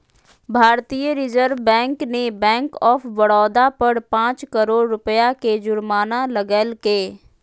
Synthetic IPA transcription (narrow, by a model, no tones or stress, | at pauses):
bʱaːɾt̪ijəɾɪd͡ʒəɾʋbɛ̃ːŋknebɛ̃ːŋkɔːfʰʋəɽɔːd̪apəɽpãːt͡ʃkəɾoːɽːʊpəjaked͡ʒʊɾmaːnaləɡəlkeː